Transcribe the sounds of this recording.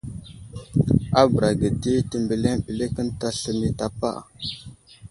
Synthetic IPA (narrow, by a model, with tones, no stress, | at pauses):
a˦bə˨ɾa˨ɡə˨di˦tə˨mbə˨le˦ŋɓi˨le˦kə˦nta˦ɬə˨ni˦ta˨pa̰˦˨